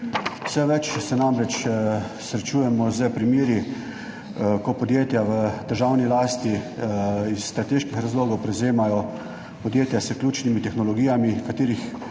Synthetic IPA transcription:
w̥sɛʋɛt͡ʃsɛnamɾɛt͡ʃ | sɾɛt͡ʃuːjɛmɔzəpɾimjeːɾi | kɔpɔd̪jeːt̪jaʋəd̪əɾʒawnilaːst̪i | isːt̪ɾat̪eːʃkixɾazloːɡɔwpɾɛwzeːmajɔ | pɔd̪jeːt̪jasəklʲuːt͡ʃnimit̪ɛxnɔlɔɡiːjamikat̪eːɾix

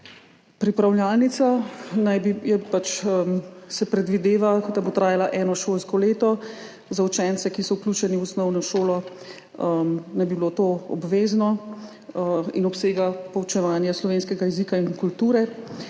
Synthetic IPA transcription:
pɾipɾawljaːlnit̪sanajbijɛpat͡ʃəmsɛpɾɛd̪ʋid̪eːʋakɔt̪abot̪ɾaːjalaʔɛːnɔʃolskɔleːt̪ɔ | zaut͡ʃɛnt̪sɛkisɔwklʲuːt͡ʃɛniwusnɔwnɔʃoːlɔ | ənajbibilot̪oɔ̰bʋeːznɔ | ḭnɔpseːɡapɔwt͡ʃɛʋaːnjaslɔʋeːnskɛɡajɛzikainkult̪uːɾɛ

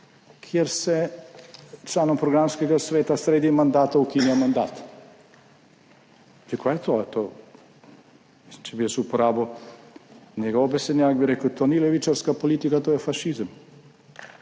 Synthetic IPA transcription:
kʰjeɾsɛ | t͡ʃlanɔmpɾɔɡɾamskɛɡasʋeːt̪asɾeːd̪imand̪aːt̪aukiniamand̪aːt̪ | d̪ikʰojɛt̪ot̪o | misimt͡ʃɛbiɛsupoɾaːbow | nʲɛɡowobɛsɛd̪nʲjaːkbiɾɛkəwt̪ʰoːnileʋit͡ʃaɾskapolit̪ikat̪oːjɛfaʃizəm

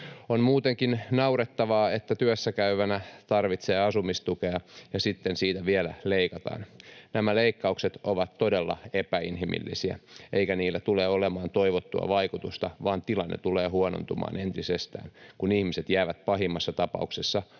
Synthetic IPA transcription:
onmuːt̪eŋkinnɑuɾet̪ːɑʋɑːet̪ːæt̪yøsːækæyʋænæt̪ɑrʋit̪seːɑsumist̪ukeɑjɑsit̪ːensiːt̪æʋielæ̰leikɑt̪ɑ̰ːnnæmæleikːɑukset̪oʋɑt̪todelːɑ̰epæinɦimḭlːḭsiæ̰ʔeikæniːlːæt̪uleːolemɑːnt̪oiʋot̪ːuɑ̰ʋɑikut̪ust̪ɑʋɑːnt̪ilɑnːḛt̪uleːhuono̰nt̪umɑ̰ːnent̪isest̪æ̰ːnkunihmiset̪jæːʋæt̪pɑɦimːɑsːɑt̪ɑpɑ̰uksesːɑ

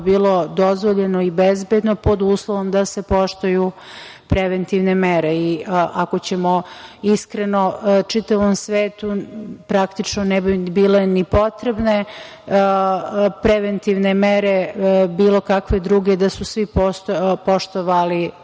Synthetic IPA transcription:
biːlˠo̞d̪o̞zʋoʎe̞noibezbed̪nopo̞d̪uːslˠoʋo̞md̪ase̞po̞ʃt̪uju | pɾeʋent̪iʋne̞meɾeiʔako̞t͡ɕe̞moiskɾenot͡ʂit̪aʋomsʋeːt̪upɾakt̪it͡ʂnonebibiːle̞nipo̞t̪ɾebne̞ | pɾeʋent̪iʋnemeɾe̞biːlo̞kakʋe̞d̪ɾuːɡe̞d̪asusʋipopo̞ʃt̪oʋali

